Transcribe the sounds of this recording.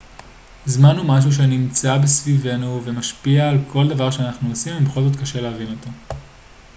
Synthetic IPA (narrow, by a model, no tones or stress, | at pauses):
zmanɦumaʃ̬uʃ̬eaniimt͡sabesvive̞nuve̞maʃpiaːlkʰo̞ld̪avaʁʃeanaχnuosimimeχolzo̞t̪kaʃe̞leaʁino̞to